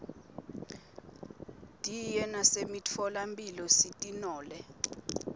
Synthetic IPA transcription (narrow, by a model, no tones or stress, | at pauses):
tʼijɛnasemit͡fʰɔlampʼilɔsitʼinɔːlɛ